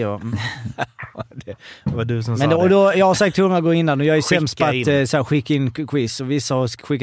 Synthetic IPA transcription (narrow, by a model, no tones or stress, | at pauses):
m | d̪ɛvadʉsɔmɛnd̪ɛɔd̪ɔjɑːɡhaɾsak̚t̪ʰːɵŋːaɡoːɪnːanɔjɑːɡæsɛmst̪pasæːɾɧɪkːaɪnkʰwɪsɔvɪsːahɑɾɧɪkː